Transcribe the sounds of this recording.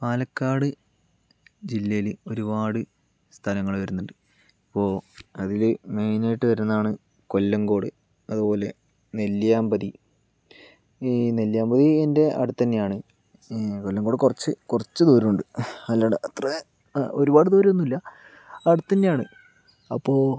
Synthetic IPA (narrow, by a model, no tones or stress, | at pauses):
paːlɐkːaːɽɨ | d͡ʑilːɐjilɨo̞ɾubaːɽɨ | st̪ʰɐlɐŋːɐɭʋɐɾunːuɳɖɨ | ipːo̞ːɐðilɨmejnajʈːɨʋɐɾunːɐðaːɳɨ | ko̞lːɐŋɡo̞ːɽɨ | ɐðupo̞ːle̞ | neljaːmbɐði | neljaːmbɐðiende̞ʔɐ̰ɽut̪ːɐnːejaːɳɨ | kolːɐŋɡo̞ːɽɨkurɐt͡ɕːɨkurɐt͡ɕːɨt̪oːɾiuɳɖɨɐlːaːɽeɐt̪rɐ | o̞ɾubaːɽɨt̪uːɾuonːilːɐ | ɐɽut̪ːɐnːejaːɳɨ | ɐpːo̞ː